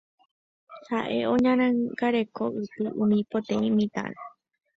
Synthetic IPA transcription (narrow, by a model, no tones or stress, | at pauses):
haʔe̞õ̞ɲãɾ̃ãŋɡaɾe̞koʔɨt̪ɨʔũmĩpot̪ẽĩmĩt̪ã̰ne